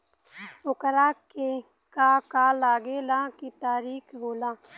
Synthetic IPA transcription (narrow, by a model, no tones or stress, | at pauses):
ʊkəɾaːke | kakaːlaːɡeːlãːkit̪aːɾiːkʰɦoːlãː